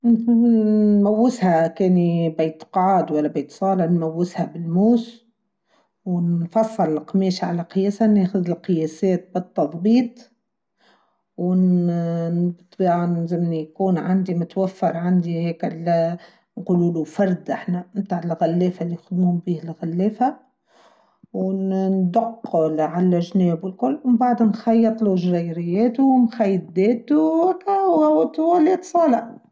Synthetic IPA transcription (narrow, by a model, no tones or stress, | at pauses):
mawːɪshakeːnibeːt̪qʕɑːd̪walːabejt̪sˤɑːlɑnmawːɪshabɪlmuːs | wɪnfɑsˤːɨllqmeːʃʕa̰laqɨjeːsaneːxʊðɪlqɪjeːseːt̪̚bɨt̪ˤːɑd̪ˤbiːt̪ˤ | wɪn | t̪ˤbiʕanzɪmnjkuːnʕand̪imʊt̪wafːɑɾˤʕand̪iheːkɪl | nquluːlufɑɾˤd̪ʔaħnæmmt̪aːʕɪlɣælːɛːfalːijxʊd̪mhʊmbiːhɪlɣælːɛːfa | wnnd̪aqːʊlʕalæʒnɛːbwɪlkʊlːwmbaʕd̪hnxɑjːɑt̪ˤluʒɾæjɾɪjːɛːt̪uwnxaj̪ːd̪ɛːt̪ukæwæwt̪uwælit̪sˤɑːlɑ